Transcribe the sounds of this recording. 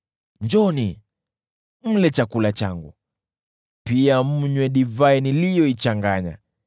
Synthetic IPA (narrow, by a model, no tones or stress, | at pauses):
ɲd͡ʒɔni | m̩lɛt͡ʃakulat͡ʃaŋɡṵ | piam̩ɲwɛɗivainilijɔit͡ʃaŋɡaɲa̰